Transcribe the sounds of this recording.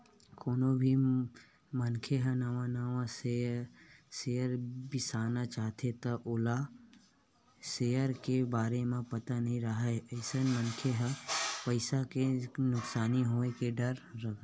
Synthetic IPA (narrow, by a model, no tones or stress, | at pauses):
koːnobʱi | mənkʰeɦənɐʋãnaʋase | sejəɾbɪsaːnat͡ʃaːɦt̪ʰet̪aʔʊla | seːəɾkebaːɾemẽpɐt̪anɐɦĩɾəɦaeəɪsənmənkʰeɦəpəɪsakenʊksaːniɦoːekeɖəɾːɐk